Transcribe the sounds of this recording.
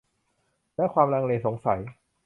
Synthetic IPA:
lɛ˦˥kʰwaː˧mɾaː˧ŋleː˧nso˩˦ŋsa˩˦j

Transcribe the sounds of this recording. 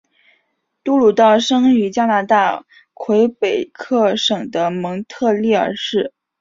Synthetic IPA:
t̪u˥lu˨˩t̪ɑ˥˩ʊʂɤ˥ŋy˧˥t͡ɕja˥na˧˥t̪a˥˩ | kʰwe˧˥ɪpe˨˩ɪkʰɤ˥˩ʂɤ˨˩ŋd̪ə˦mɤ˧˥ŋt̪ʰɤ˥˧li˥˩ə̰˞˧˥ʂɻ̩˥˩

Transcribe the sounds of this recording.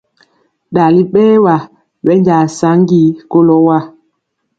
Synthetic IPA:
ɗa˨li˦ɓɛː˦wa˨ | wɛ˨˦ɲd͡ʒa˨sa˨˦ŋ˦ɡi˦ko˦lɔ˦wa˦˨

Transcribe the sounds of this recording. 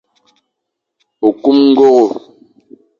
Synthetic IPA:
o˨ku˦mŋ̩˦ɡo˦ɣo˨

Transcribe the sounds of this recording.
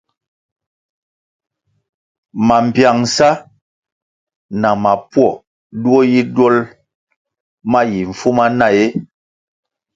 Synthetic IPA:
ma˨m̩˨pja˨ŋ˨sa˦ | na˨ma˨pwɔ˦˨ | du˦ɔ˦ji˦dwɔ˦l | ma˦ji˨ɱ̩˨fu˦ma˦na˦˨je˦

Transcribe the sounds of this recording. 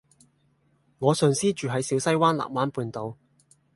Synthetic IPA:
ŋɔː˨˧sœː˨ŋsiː˥t͡ʃyː˨ɦɐ˨˥jsiː˨˥wsɐ˥jwaː˥nla̰ː˨k̚waː˨˥npuː˨˧nt̪o˨˧w

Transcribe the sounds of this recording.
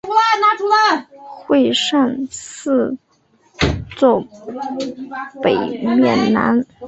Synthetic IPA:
u˥la˧na˥ʈ͡ʂu˧˥lə˥˩xwe˥˧ɪʂa˥˧ŋsɹ̩˥˧ | t͡swɔ˥˩ | pe˨˩ɪmɥɛ˥˩nna̰˧˥n

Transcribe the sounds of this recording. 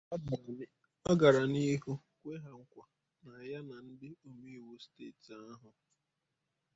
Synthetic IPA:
ɔ˦ɡa˨ɾa˨ni˦ɦu˦ | kʷe˦ɦa˨ŋ̩˦kʷa˨ | na˨ja˦na˨n̩˦dɪ˦o˨me˦i˨wu˦steː˦˨ta˦ɦʊ˨

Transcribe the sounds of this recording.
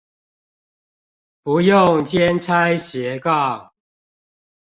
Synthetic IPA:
pu˨˦jʊ˥˨ŋt͡ɕjɛ˦nt͡sʰa˦ɪɕɛ˨˦kɑ˥˨

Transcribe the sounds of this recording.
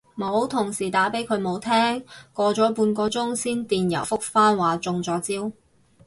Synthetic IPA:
mo˨˧˥wt̪ʰʊ˨˩ŋsiː˨˩t̪aː˨˥pe˨˥jkʰɵ˨˧ɥmo˨˧wt̪ʰɛː˥ŋkɔː˧t͡sɔː˨˥puː˧nkɔː˧t͡sʊ˥ŋsiː˥nt̪iː˨njɐ̰˨˩wfʊ˥k̚faː˥nwaː˨t͡sʊ˧ŋt͡sɔː˨˥t͡siː˥w

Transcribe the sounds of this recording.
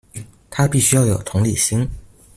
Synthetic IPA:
t̪ʰa˥pi˥˩ɕy˥jɑ˥˩ʊjo˨˩ʊt̪ʰʊ˧˥ŋli˨˩ɕi˥ŋ

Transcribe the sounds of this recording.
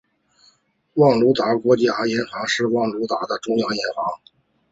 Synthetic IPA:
wɑ˥˩ŋlu˧˥t̪a˧˥kwɔ˧˥t͡ɕja˧˥jɛ˧˥nxɑ˧˥ŋʂɻ̩˥˧wɑ˥˩ŋlu˧˥t̪a˧˥d̪ə˧ʈ͡ʂʊ˥ŋjɑ˧˥ŋjɛ˧˥nxɑ˧˥ŋ

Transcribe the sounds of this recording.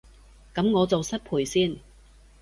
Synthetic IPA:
kɐ˨˥mŋɔː˨˧t͡so˨wsɐ˥t̚pʰuː˨˩jsiː˥˩n

